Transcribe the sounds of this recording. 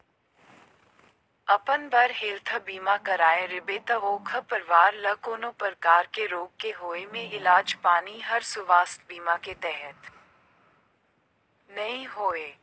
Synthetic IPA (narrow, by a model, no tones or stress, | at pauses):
ɐpənbɐɾɦeːlt̪ʰəbiːmakɐɾaːeɾɪbeːt̪əʋoːkʰəpɐɾʋaːɾlɐkoːnopəɾkaːɾkeɾoːɡ̚keɦoːemẽɪlaːd͡ʒpaːniɦɐɾsʊʋaːst̪biːmaket̪ɛɦət̪ | nɐɦĩɦoːeː